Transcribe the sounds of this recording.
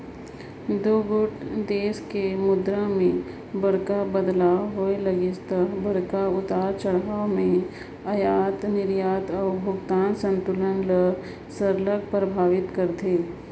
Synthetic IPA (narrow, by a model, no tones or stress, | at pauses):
d̪oːɡʊʈd̪eːskemʊd̪ɾəmẽ | bɐɽkabəd̪laːwɦoeləɡɪst̪əbəɽkaʊt̪aːɾt͡ʃɐɽaːmẽ | ɐjaːt̪nɪɾjaːt̪ɔːbʱʊɡt̪aːnsə̃nt̪ʊlənlə | səɾlək̚pɾəbʱaːʋɪt̪kəɾt̪eː